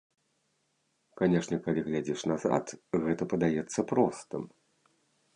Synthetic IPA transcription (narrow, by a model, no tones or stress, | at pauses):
kanʲɛʂnʲɛkalʲiɣlʲad͡zʲɛʂnaza̰t̪ɣɛt̪ɐpɐd̪ajɛt̪sːɐpɾɔst̪ɨm